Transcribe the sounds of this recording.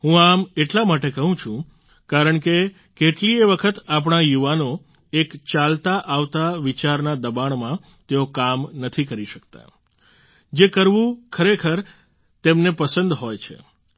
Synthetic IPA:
ɦũameʈlamaʈekəɦũt͡ʃʰũ | kaɾəɳke | keʈlieʋəkʰət̪ap̬ɳ̃ajuʋano | ekt͡ʃalt̪aʔaʋt̪aʋit͡ʃaɾnad̪əbaɳ̃mã | t̪eokamnət̪ʰikəɾiʃəkt̪a̰ | d͡ʒekəɾʋũkʰəɾekʰəɾ | t̪emnepəsənd̪ɦojt͡ʃʰḛ

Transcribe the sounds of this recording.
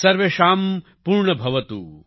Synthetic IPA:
sɐɾʋeʃaːm | puːɾɳɐbʱɐʋɐt̪ṵ

